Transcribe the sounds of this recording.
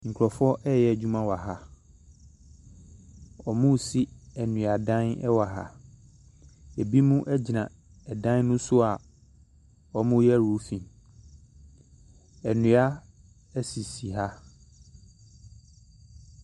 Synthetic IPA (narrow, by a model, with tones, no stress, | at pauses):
ŋ̩˨kʷʰɾɔ˨fʊ˦ɔ˦ʔɛ˦jɛ˦˨d͡ʑᶣũ˦mã˦wa˨ɦa˦ | ɔ˨mʊ̃˦˨si˦æ˨nũ˨a˨dã˦nɛ˦wa˨ɦa̰˨ | e˨bi˦mũ˦ʔɛ˦d͡ʑi˨nã˨ | ɛ˨dã˦n˦nʊ̃˦sʊ˦a˨ | ɔ˨mʊ̃˦jɛ˦ɾu˨˦fĩ˨m | ɛ˨nũ˨a˦ | ɛ˦si˨si˨ɦa˦